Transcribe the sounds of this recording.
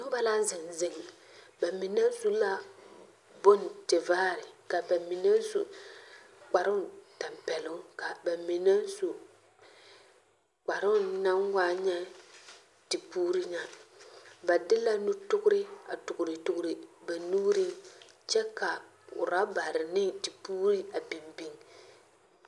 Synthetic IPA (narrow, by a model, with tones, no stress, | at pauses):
nɪ˦ŋ˦ba˦la˦zɪ˨ŋzɪ˨ŋ | ba˨mɪ˨na˦su˦la˦ | bo˦n˨tɪ˨vaː˦˨ɾɪ˨ka˨ba˨mi˨na˦n˦su˨ | k͡pa˨ɾʊ˦ta˨mpɛ˨lʊ˦ŋka˨ba˨mi˨na˦n˦su˨ | k͡pa˨ɾʊ˦na˦ŋwaː˦ɲɛ˦ | tɪ˨puː˦ɾi˦na˨ | ba˨dɪ˦la˦nu˦tʊ˦kʊ˦ɾɪ˦a̰˨tʊ˨kʊ˨ɾɪ˨tʊ˦kʊ˨˦ɾɪ˨ba˨nuː˦ɾɪ˦ŋt͡ʃɛ˦ka˨ | ʊ̰˨ɾa˦ba˨ɾɪ˨nɪ˦ŋtɪ˨puː˦ɾi˦a˨bi˨mbi˦ŋ